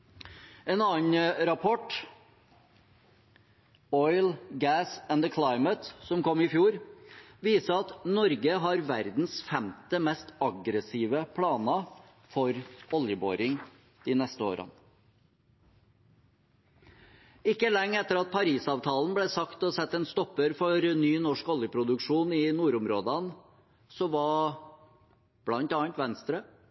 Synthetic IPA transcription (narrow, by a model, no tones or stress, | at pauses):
ɛːnɑːnɾɑpʰɔʈ | ɔʏlɡæːsænd̪əkʰlɑɪmət̪sɔmkʰɔmːɪfjuːɾʋiːsəɑt̪nɔɾɡəɦɑɾʋæɾd̪n̩sfɛmt̪əmɛst̪ɑɡɾəsiːʋəpʰlɑːnɑ | fɔɾɔljəboːɾɪŋ | d̪̥ɪnɛst̪əo̰ːɾɑ̰n | ɪkːəlɛŋːɛt̪ːəɾɑt̪̚pʰɑɾiːsɑːʋt̪ʰɑːln̩blɛsɑkt̪ɔsɛt̪ːɛːnst̪ɔpːəɾfɔɾnyːnɔʂkɔljəpʰɾʊd̪ʉkʂuːnɪnuːɾʊmɾoːd̪ɑn | sɔmʋɑ | b̥lɑnt̪ɑːnt̪ʋɛnst̪ɾə